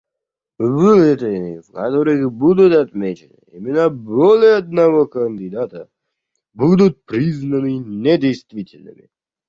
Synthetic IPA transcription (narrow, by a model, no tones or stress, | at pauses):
vɨlɛt̪ənʲḭvkat̪oɾɨxbud̪ʊt̪ɐt̪mʲet͡ɕɪnɨ̰ḭmʲɪnəbolʲɪɐd̪nɐvokənʲd̪ʲɪd̪at̪ə | bud̪ʊt̪̚pɾʲiznənɨnʲɛdʲejst̪vʲitʲɪlʲnɨ̰mʲɪ̰